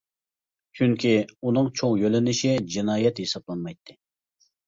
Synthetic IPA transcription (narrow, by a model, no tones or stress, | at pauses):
t͡ʃʰyŋkʲʰiunɨŋt͡ʃʰoŋjølɪnɪʃid͡ʒinɑːjɛt̪hesɑplˠɑnmɑjt̪ʰːɪ